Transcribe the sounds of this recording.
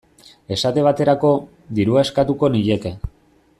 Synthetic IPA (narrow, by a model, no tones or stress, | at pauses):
e̞sat̪e̞β̞at̪e̞ɾako̞ | d̪iɾuaeskat̪uko̞niʎe̞ke̞